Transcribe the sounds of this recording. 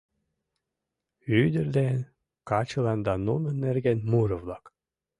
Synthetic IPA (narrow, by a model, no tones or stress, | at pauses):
yd̪ɘɾd̪en | kɑt͡ɕɤ̆lˠɑnd̪ɑnunɤ̆nːerɡenmuɾɤ̆vlˠɑk